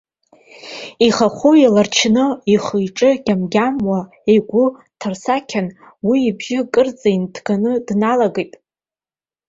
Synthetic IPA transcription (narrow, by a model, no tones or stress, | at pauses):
iχaχʷuilart͡ʃʰnɨiχɨjʈ͡ʂʼɨɡʲamɡʲamwa | ejɡʷʊ | tʰarsakʲʰan | wiːbʒɪkʼɨrd͡zʼajntʰɡanɨdnalaɡejtʼ